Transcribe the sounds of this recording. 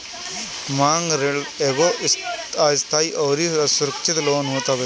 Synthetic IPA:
maːŋɡɾeɭeɡosaːst̪ʰaːjiʔɐʋɾisuɾɐkt͡ʃit̪loːnuːt̪aːbe

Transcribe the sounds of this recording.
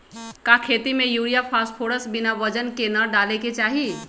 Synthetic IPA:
kakʰet̪imejuɾijapʰaspʰoɽəsbinabəd͡ʒənkenəɖaleket͡ʃaɦi

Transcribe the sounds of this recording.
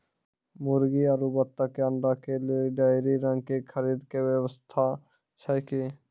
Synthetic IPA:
mʊɾɡiaɾubət̪ːakeə̃ɳɖakeliɖajɾiɾə̃ŋɡ̚kekʰəɾiːd̪keʋəwəst̪ʰa | t͡ʃʰəjke

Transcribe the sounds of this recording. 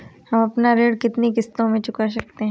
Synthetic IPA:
hɐmɐpnaɾeːɽkɪt̪nikɪst̪õmẽt͡ʃʊkaʃ̬ɐk̚t̪eɦɛ̃ː

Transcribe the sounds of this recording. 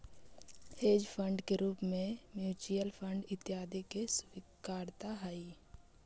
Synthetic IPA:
eːd͡ʒpʰə̃ɳɖkeɾuːpmẽmjuːt͡ʃijəlpʰə̃ɳɖɪt̪jaːd̪ikeswikaːɾt̪aɦaːi

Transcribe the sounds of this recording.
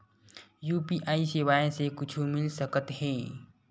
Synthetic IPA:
juːpiʔaːisɪʋaːjsekʊt͡ʃʰumɪlsəkət̪ɦɛ̃ː

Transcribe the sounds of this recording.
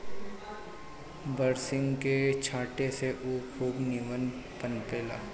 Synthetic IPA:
bəɾsɪ̃ŋɡket͡ʃʰaːʈeseʔuːkʰoːɡniːʋən | pənpeːla̰ː

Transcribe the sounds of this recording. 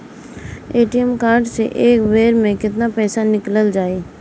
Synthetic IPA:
eːʈiɛmkaːɾɖsḛʔeːkʋeːɾmẽkɪt̪napɛːsanɪkləld͡ʒaːeː

